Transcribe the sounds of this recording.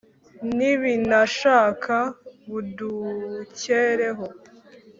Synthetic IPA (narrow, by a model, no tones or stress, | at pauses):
niβinaʃaːkʰaβuduceːɾeɦo